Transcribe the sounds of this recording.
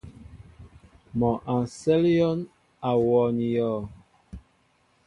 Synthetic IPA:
mɔ˨ʔã˨nsɛ˦ljɔ˦n | a˨wɔ˨n˨jɔ˦˨

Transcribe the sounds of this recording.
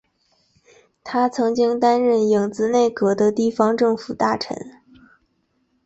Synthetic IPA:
t̪ʰa˥t͡sʰɤ˧˥ŋt͡ɕi˥ŋt̪a˥nɻə˥˩ni˨˩ŋt͡sɹ̩˧˥ne˥˩ɪkɤ˧˥d̪ə˧t̪i˥˩fɑ˧ŋʈ͡ʂɤ˥˩ŋfu˨˩t̪a˥˩ʈ͡ʂʰə̰˧˥n

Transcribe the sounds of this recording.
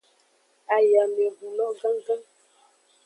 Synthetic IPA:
a˨ja˨lɛ˨bu˨lɔ˦ɡa˦ŋ˦ɡa˦

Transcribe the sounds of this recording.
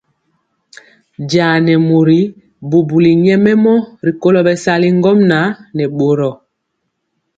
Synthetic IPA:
ɟaː˨nɛ˨mo˨ɾi˨˦ | bo˨bu˨li˨ɲɛ˦mɛ˦mɔ˦ɾi˨ko˦lɔ˨ɓɛ˨sa˦li˦ŋɡɔ˦mna˨˦nɛ˨ɓo˨ɾɔ˨

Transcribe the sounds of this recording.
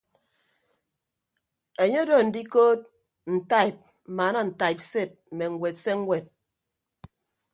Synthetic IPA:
e˨ɲo˦do˦˨n̩˨di˦koː˦t̚ | n̩˨ta˦˨i˨p̚ | m̩˨maː˨˦na˦˨n̩˨ta˨i˨p̚se˦˨t̚m̩˨me˨ŋ̩˨ɡwe˨tse˦ŋ̩˦we˨t̚

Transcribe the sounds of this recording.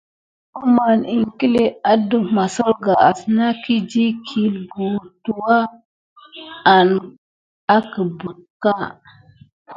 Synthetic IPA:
u˦ma˨ni˨ŋki˦le˨a˦du˨ma˨so˦lɡa˨a˨sna˦ki˦d͡ʒi˦kʰi˨lɡu˨tu˨wa˦ | a˨n | a˦kə˨bu˨t̚ka˦

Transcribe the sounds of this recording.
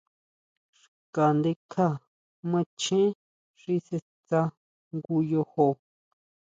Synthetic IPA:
ʂ | ka˨nd̪e˧kʰa˦˨ | mã˦˧t͡ʃẽ˦ | ʐi˧se˧ | t͡sa˧ | ŋɡu˧jo˧ho˧

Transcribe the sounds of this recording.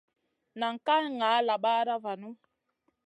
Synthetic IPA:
na˨ŋ̩˨ka˦nŋa˨˦la˨ɓa˦ɾa˦va˨nu˦

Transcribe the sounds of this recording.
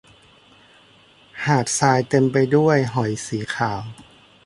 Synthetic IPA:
haː˨˩t̪̚saː˧jt̪e˧mpa˧jdu˥˩əjɦɔ˨˩˦jsiː˩˦kʰaː˩˦w

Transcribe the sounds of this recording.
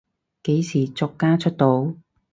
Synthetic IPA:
ke˨˥jsiː˨˩t͡sɔ˨˧kːaː˥t͡ʃʰɵ˥t̚t̪o˨˧˥w

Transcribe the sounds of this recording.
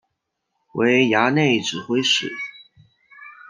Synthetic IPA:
we˧˥ɪja˧˥ne˥˩ɪʈ͡ʂɻ̩˨˩xwe˥ɪʂɻ̩̰˨˩˦

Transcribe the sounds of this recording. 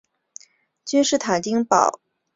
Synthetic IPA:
t͡ɕy˥nʂɻ̩˥˩t̪ʰa˨˩nt͡ɕ̪i˥ŋpɑ̰˨˩˦ʊ

